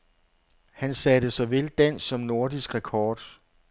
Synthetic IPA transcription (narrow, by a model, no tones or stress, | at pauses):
hænsɛːd̥əsɒ̽ʋe̝ld̥æn̰sːɒ̽mno̝ɐd̥isɡ̥ʁɛkʰɒːd̥